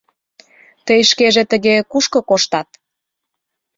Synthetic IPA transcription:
t̪əjʃkeʒet̪ə̆ɣekuʃkɤ̆koʃt̪ɑt̪̚

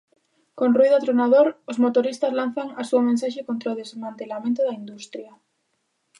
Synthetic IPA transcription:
konruiðoat̪ɾonað̞oɾozmot̪oɾist̪azlan̟θaŋasuomẽnsaʃekont̪ɾaoðezmãnt̪e̞lamẽnt̪oðaind̪ust̪ɾja

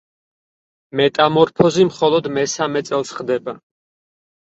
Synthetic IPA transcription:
mɛt̪ʼamɔɾpʰɔzimχɔlˠɔd̪mɛsamɛt̪sʼɛlˠsχd̪ɛba

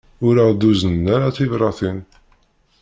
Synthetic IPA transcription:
ʊɾəʁd̪uzənːaɾaθivɾˤɑθin

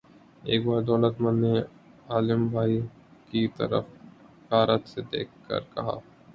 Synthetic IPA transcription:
eːkbaːɾd̪ɔːlət̪mə̃nːe | aːlɪmbʱaːi | kit̪ɐ̰ɾə̰f | baːɾət̪sed̪ḛːk̚ʰːkːə̰ɾkɐ̰ɦa̰ː

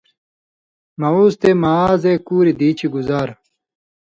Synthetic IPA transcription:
mɐuːst̪emaaːzeːkuːɾid̪iːt͡ɕiɡuzaːɾ

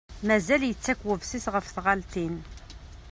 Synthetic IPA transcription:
mæzæljət͡sːækwəvsisʁəfθʁalt̪in

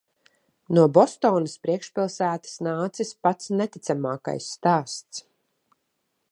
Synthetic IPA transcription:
nuɔbɔst̪ɔːnɐspɾiɛkʃpilˠsæːt̪ə̥snaːt̪sispat̪snɛt̪it̪samaːka̰jsːt̪aːst̪s

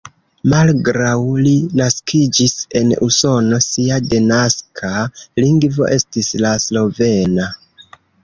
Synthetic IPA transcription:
malɡɾawlinaskid͡ʒise̞nuso̞no̞siade̞naskʰaliŋɡvo̞̰ʔe̞stislaslo̞ve̞na

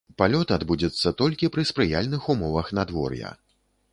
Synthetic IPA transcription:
palʲɔt̪ad̪bud͡zʲɐt̪sːɐt̪ɔlʲkʲipɾɨspɾɨjalʲnɨxumɔvɐxnad̪vɔ̰rjɐ̰

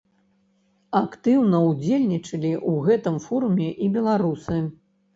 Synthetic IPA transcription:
akt̪ɨwnɐwd͡zʲelʲnʲit͡ʂɐlʲiʔuɣɛt̪ɨmfɔɾumʲɛʔibʲɛlˠaɾusɨ

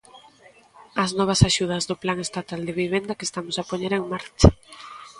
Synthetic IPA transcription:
ɐznɔβ̞ɐsaʃuð̞ɐzðoplaŋest̪at̪ald̪eβiβ̞end̪ɐkest̪amosapoɲeɾeŋmaɾt͡ʃḁ

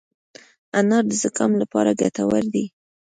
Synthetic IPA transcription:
anɑɾd̪əzakɑmlapɑɾaɡat̪awəɾd̪i

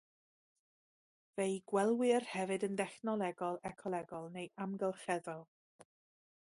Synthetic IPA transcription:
vejɡwɛlˠwɪrhɛvɨdəndɛχnɔlˠɛɡɔlˠɛkʰɔlˠɛɡɔlˠnejʔamɡəlˠχɛðɔlˠ

